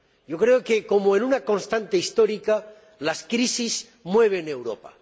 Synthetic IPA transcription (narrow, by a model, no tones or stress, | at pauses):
jo̞kɾe̞oke̞ko̞moenunako̞nst̪ant̪e̞ist̪oɾika | laskɾisiz | mwe̞β̞e̞ne̞wɾo̞̰pa̰